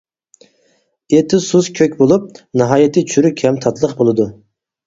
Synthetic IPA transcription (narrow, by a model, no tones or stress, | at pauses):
et̪ʰɪsuzkʲʰøkʲbolˠup̚nɨɦɑjɪt̪ʰɨt͡ʃʰyɾykʲʰɛmt̪ʰɑt̪lˠəqbolˠɨd̪u